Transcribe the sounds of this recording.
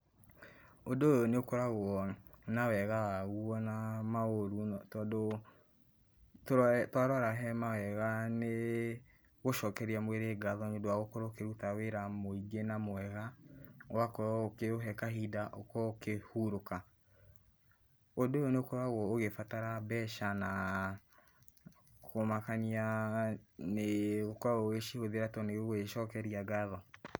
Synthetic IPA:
odoɔneokoɾaɣɔnawɛɣawaɣuɔnamaoɾutɔdo | ttwaɾwaɾaɦɛmawɛɣane | ɣoʃɔːkɛɾiamweɾeɡaðɔneodoaɣokoɾokeɾutaweɾamoiɡenamoɛɣawakɔokeoɦɛkaɦidaʔokɔkehuɾoka | odoonekoɾaɣɔoɣefataɾabɛʃana | kʰomakania | neɣokɔaoeʃihoðeɾatɔneɣeʃɔkɛɾiaɡaðɔ

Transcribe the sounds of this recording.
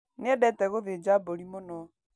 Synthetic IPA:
neɛbɛtɛɣoðed͡ʒaboɾimonɔ

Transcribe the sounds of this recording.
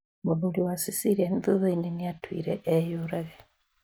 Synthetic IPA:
muðuliwasisiɾienðuðaininiatwḭːɾeʔejuɾaɣe

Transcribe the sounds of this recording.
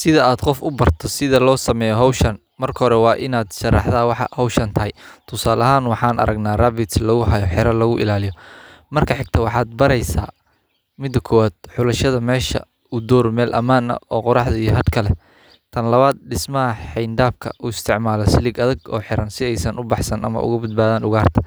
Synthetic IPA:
sɪðɐaːd̪qɔfʊbɐrt̪ʰɔsɪðɐlɔːsɐmɛːjɔɦɔwʃɐn | mɐrkʰɐɦɔɾɛwɑːʔɪnaːd̪ʃɐrːɑ̰ħðawɑħɑ̰hɔwʃɐnt̪ʰɐɦɛjt̪ʰʊsaːlɐɦaːnwɑħɑːnʔɐ̰ɾɐɡnaːraːbɪt̪slɐɣʊɦɐjɔħɪɾɐlɐɣʊʔɪ̰laːlɪjɔmɐrkʰɐħɪɡ̚t̪ʰɐwɑħɑːd̪̚bɐɾɛjsa̰ː | mɪd̪ːɐkʰɔːwaːd̪̥̚ħʊlɐʃɐðɐmɛːʃɐ̰ | ʊd̪ɔːrmɛːlʔɐ̰maːnɐ̰ɔːqʊɾɑħd̪ɐijɞɦɐd̪kʰɐlɛ | t̪ʰɐnlɐβaːd̪̚ɖɪsmɐɦɐħɛjnd̪aːbkʰɐ̰ʔʊɪst̪ʰɪʕmaːlɐsɪlɪɡɐðɐɡɔ̰ːħɪɾɐnsɪɛjsɐnʊbɑħsɐnʔɐ̰mɐ̰ʊ̰ɣʊbɐd̪̚baːðaːnʊɣaːrt̪ʰɐ̥

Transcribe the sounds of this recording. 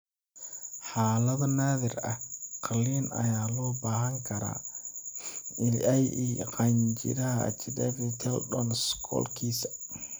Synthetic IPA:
ħɑːlɐðɐnaːðɪrɐ̰hqɑlːiːnɐ̰jaːlɔːbaːɦɐŋkʰɐɾa̰ː | ɪlɛjʔiqɑjnt͡ʃɪ̰ɾɐɦɐɐ̰t͡ʃɪdɐɾit̪ʰɛlɗɔnskʰɔ̰ːlkʰiːsɐ

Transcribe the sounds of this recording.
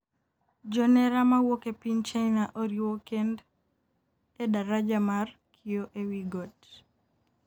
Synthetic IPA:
d͡ʒɔnɛɾamawokepint͡ʃajnaʔoɾiwokend | edaɾad͡ʒamarkʰioʔewiɡot

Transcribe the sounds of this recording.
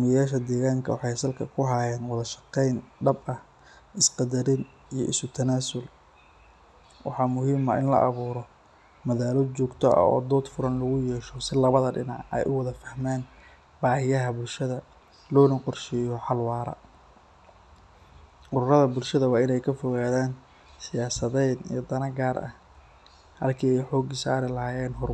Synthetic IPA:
mɪjaːʃɐd̪ɛːɣaːŋkʰɐwɑħɑjsɐlkʰɐkʰʊɦajɛːnwɑðɐʃɑ̥qɛjnɖɐbɐh | ʔɪsqɑd̪ɐɾɪn | ijɔʔɪsʊt̪ʰɐnaːsʊl | wɑħɑːmʊɦiːmɐ̰ʔɪ̰nlɐ̰ʔɑ̰βuːɾɔ | mɐðaːlɔt͡ʃɔːɡt̪ʰɔɐ̰ɔ̰ːd̪ɔːd̪fʊɾɐnlʊɣʊjɛːʃɔsɪlɐβɐðɐɖɪ̰nɑʕɛ̰jʔʊwɐðɐfɐhmaːn | baːhɪjɐɦɐbʊlʃɐðɐ | lɔːnɐqɔrʃɪjɔħɑlwɑːɾɐ̰ | ʔʊɾʊɾɐðɐbʊlʃɐðɐwɑːɪnɛjkʰɐfɔɣaːðaːn | sɪjaːsɐðɛd̪ḭjɔd̪ɐnɐɡaːɾʔɐ̰h | hɐ̰lkʰiːɛjħɔːɡɪsaːɾɛlɐhaːjɛːnɦɔr

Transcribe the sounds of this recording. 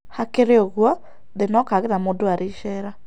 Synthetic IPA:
hakeɾeoɣwɔ | ðenɔkaɣeðamodoaɾeʃɛːɾa

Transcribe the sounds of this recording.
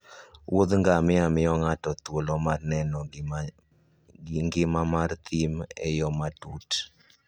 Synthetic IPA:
wʔod̪ŋɡamɪamɪɔŋatɔt̪wolɔmarnɛnɔ | ŋɡɪmamart̪ʰimɛ̰jɔmadut

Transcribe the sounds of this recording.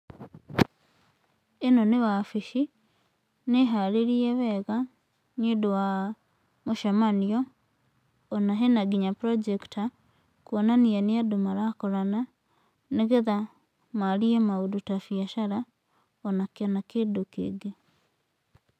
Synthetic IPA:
enoneβafiʃi | neɦaleɾieβɛɣa | ɲidowa | moʃamanio | naɦenaɡiɲapɾod͡ʒekta | kwonanieniadumaɾakoɾana | neɣeða | maliemaudutafiaʃaɾa | onakanakedukḛɡe

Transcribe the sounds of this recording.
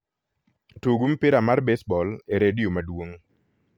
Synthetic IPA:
tuɡumpiɾamarbesbɔleɾedijomadwoŋ

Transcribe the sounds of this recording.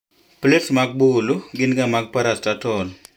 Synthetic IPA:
plesmaɡ̚buluɡɪnɡamaɡ̚paɾastatɔl

